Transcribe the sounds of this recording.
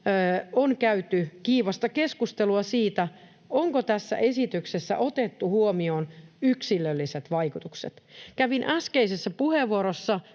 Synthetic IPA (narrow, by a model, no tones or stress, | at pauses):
onkæyt̪ykiːʋɑst̪ɑkeskust̪eluɑsiːt̪æ | oŋkot̪æsːæ̰ʔe̞sit̪yksesːæ̰ʔo̞t̪et̪ːuhuomioːnyksilːølːiset̪ʋɑikut̪uksḛt̪kæʋinʔæskeisesːæpuheʋuoɾosːɑ